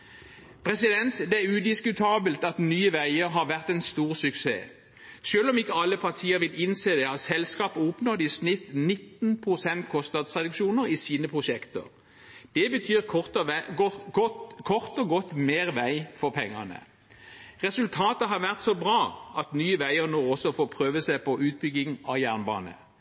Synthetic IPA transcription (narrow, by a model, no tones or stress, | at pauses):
pʰʁɛsɪd̪ɛnt̪d̪ɛæʁʉd̪ɪskʉt̪ʰɑːbəlt̪ɑt̪nyːəʋæɪəʁɦɑʋæʁt̪ɛnst̪uːʁsʉksḛː | ʃøːlɔmɪkːəɑlːəpʰɑʁt̪ʰiːəʁʋɪlɪnseːd̪ɛhɑsɛlskɑːpəɔpnoːd̪ɪsnɪt̪nɪt̪npʰʁʊsɛnt̪kʰɔst̪nɑːd̪sʁɛd̪ʉkʃuːnəʁisiːnəpʰʁʊʃɛkt̪ə̰ʁ | d̪̥ɛbət̪ʰyːʁʰɔt̪ | ɔkʰɔʁt̪ɔɡɔt̪ːmeːʁʋæɪfɔʁpʰɛŋːə̰nə̰ | ʁɛsʉlt̪ʰɑːt̪əɦɑʁʋæʁt̪sɔbʁɑːɑt̪nyːəʋæɪəʁnoːɔsːɔfoːpʰʁøːʋəsæːpɔʔʉːt̪̚bʏɡɪŋɑjæʁnbɑ̰ːnə̰